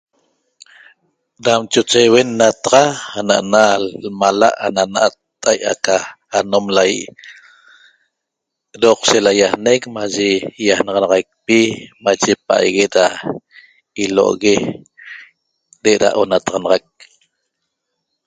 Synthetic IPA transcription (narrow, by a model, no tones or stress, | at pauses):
ɾamt͡ʃot͡ʃewenːat̪aʁɑhanaʔanalmalaʔa̰nanaʔat̪ːajʔa̰ka | anomlajḭʔ | ɾoqselajahnekmaʒejahnɑʁɑnɑʁɑjk̚pimat͡ʃepaʔa̰jɣeɾa | ilo̰ʔɣe | deʔɾa̰ʔonat̪ɑʁɑnɑʁɑk̚